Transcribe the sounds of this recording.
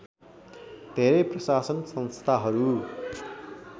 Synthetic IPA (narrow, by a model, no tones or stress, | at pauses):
d̪ʱeɾʌjprʌsasʌnsʌnst̪ʰaɦʌɾu